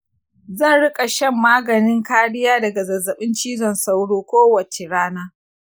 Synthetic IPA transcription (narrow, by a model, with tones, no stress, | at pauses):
zɐ˦˨nɽɪ˦kʼa˨ʃɐ˦˨mːaː˦ɡɐ˨nɪ˦ŋkaː˦ɽɪ˦jaː˦dɐ˨ɡa˨zɐ˨zɐ˨ɓɪ˦nt͡ʃiː˦zɐ˨nsa˦wɽoː˦kʷoː˦wɐ˨t͡ʃe˨ɽaː˦naː˦